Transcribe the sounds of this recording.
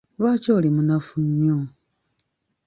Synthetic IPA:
βaːcoːlemunafuɲːo

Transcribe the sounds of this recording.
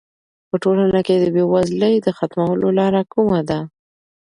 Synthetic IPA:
pəʈolanaked̪əbewazləjd̪əxat̪mawəlolɑɾakumad̪a

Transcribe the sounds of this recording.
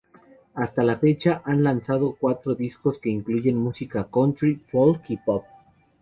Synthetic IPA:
ast̪alafe̞t͡ʃaʔanlansað̞o̞kwat̪ɾo̞ðisko̞ske̞iŋkluʝe̞nmusikakont̪ɾifolkipop̚

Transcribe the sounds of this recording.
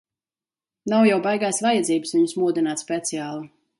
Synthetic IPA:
nawjawbajɡajsvajad̪ziːbɨsviɲusmuɔd̪inaːt̪spʲet̪siaːlˠu

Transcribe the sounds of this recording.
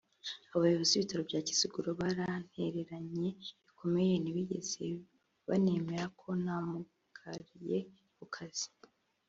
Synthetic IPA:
aβajoβoziβitaɾo̞bɟaːci̥siɡuɾoβaɾan̥he̞ɾe̞ɾaɲe̞βikʰo̞me̞je̞niβiɟe̞̰z̥e | βa̰ne̞me̞ɾakʰo̞namu | kʰaɾije | kukʰaz̥i̥

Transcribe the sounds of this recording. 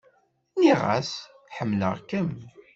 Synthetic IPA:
niʁæ̰s | ħəmːlə̰ʁkəm

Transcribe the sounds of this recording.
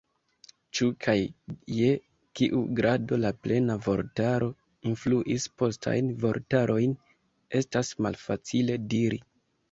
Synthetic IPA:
t͡ʃukʰajje̞ | kiʔuɡɾado̞laple̞navo̞̰ɾtaɾo̞ | influʔispo̞stʰa̰jnvo̞ɾtaɾʔo̞jn | e̞stasma̰lfat͡sile̞diɾḭ

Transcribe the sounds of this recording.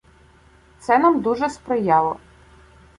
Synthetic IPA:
t̪sɛnamd̪uʒɛspɾɔjɑlˠɔ

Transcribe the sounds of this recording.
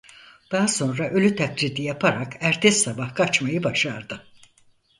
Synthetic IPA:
d̪̥aɦaso̞nɾaʔølʲyt̪ʰaklid̪ijapʰaɾakʰæɾt̪ʰɛsːabahkʰat͡ʃmajɯbaʃaɾd̪ɯ

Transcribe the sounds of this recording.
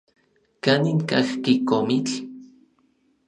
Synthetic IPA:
kaniŋkaxkikomit͡ɬ

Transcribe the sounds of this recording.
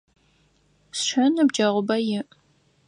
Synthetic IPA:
sʃɐnɐbd͡ʒɐʁʷʊbɐjɪʔ

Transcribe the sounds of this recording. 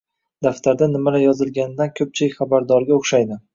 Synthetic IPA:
d̪̥aft̪ʰaɾd̪anɪmalajɒzɪlɡʲanɪd̪ankʲʰɵp̚t͡ʃʰɪlɪkʲχabaɾd̪ɒɾɡʲaoχʃajd̪ɪ

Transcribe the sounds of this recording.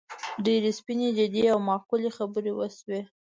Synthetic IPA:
ɖeɾespined͡ʒɪd̪iawmɑkulexabəɾewəswe

